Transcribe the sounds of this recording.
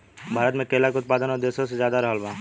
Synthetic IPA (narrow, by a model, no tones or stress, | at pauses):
bʱaːɾət̪mẽkeːlakeʊt̪̚paːd̪ənɔːɾd̪eːʃõsezjaːd̪aɾɐɦəlbãː